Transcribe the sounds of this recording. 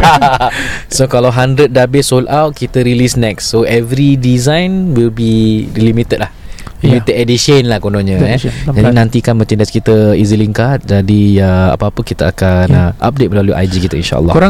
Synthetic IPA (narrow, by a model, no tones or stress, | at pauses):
sokalawɦandɾət̪̚dabɪsolʔawt̪̚kit̪əɾilisnɛksːoɛvɾidizãjnwilbilimit̪ət̪̚lah | limit̪əd̚ɛdiʃənlahkonõɲə̃d͡ʒadinãnt̪ikanmə̃t͡ʃandaskit̪əiziliŋkat̪̚d͡ʒadiəa̰pəapəkit̪əakanəʔa̰p̚det̪̚məlaluʔa̰jd͡ʒikit̪əinʃa̰ʔə̰lːɔ̰kɾa